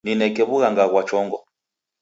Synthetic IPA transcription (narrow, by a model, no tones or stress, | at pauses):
ninɛkɛβuɣaŋɡaɣwat͡ʃɔŋɡɔ